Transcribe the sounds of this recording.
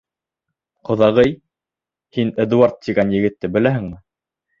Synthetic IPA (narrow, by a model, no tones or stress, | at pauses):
qŏðɑʁɤj | hinĕd̪uaɾt̪ːiɡænjɘ̆ɡɘ̆t̪ːɘbɘ̆læɦɘ̆ŋmɘ